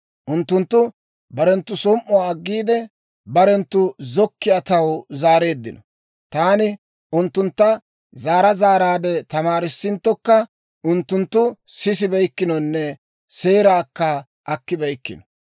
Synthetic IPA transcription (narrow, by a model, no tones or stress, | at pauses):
ʔʊnt̪ːʊnt̪ːʊ | bɐɾɛnt̪ːʊsɔmʔɔwaɐɡːiːd̪ɛ | bɐɾɛnt̪ːʊzɔkːɪjɐt̪ɐwzaːɾe̞ːd̪ːɪnɔ | t̪aːnɪ | ʔʊnt̪ːʊnt̪ːɐ | zaːɾɐzaːɾaːd̪ɛt̪ɐmaːɾɪsːɪnt̪ːɔkːɐ | ʔʊnt̪ːʊnt̪ːʊsɪs̬ɪbɛjkːɪnɔnːɛ | se̞ːɾaːkːɐ | ʔɐkːɪbɐjkːɪnɔ̥